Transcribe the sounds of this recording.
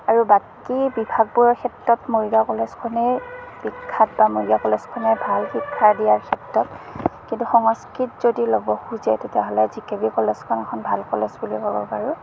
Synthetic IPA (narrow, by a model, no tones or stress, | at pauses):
aɹubakibibʱaɡ̚bujɔkʰɛtːɔtmoɹijakɔlɛskʰɔnɛb̥ikʰːat̚bamoɹijakɔlɛskʰɔnɛbʱalxikʰːaɹdijaɹkʰɛtɹɔtkintuxɔŋɔskitzodilɔbɔxuzɛtetjaɦɔlɛzikebikɔlɛskʰɔnɛkʰɔnbʱalkɔlɛsbulikɔbɔ̰paɹu